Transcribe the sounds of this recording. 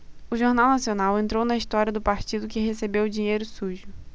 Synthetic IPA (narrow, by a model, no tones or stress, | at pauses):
ʊʒoɾnawnasionawẽnt̪ɾownɐist̪ɔɾiɐd̪ʊpaɾt͡ʃid̪ʊkɪɦesebewd͡ʒĩɲejɾʊsuʒʊ